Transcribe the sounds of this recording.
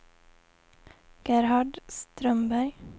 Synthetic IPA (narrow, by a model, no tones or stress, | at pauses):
ɡ̥æɾhɑɖst̪ɾœmbœʏ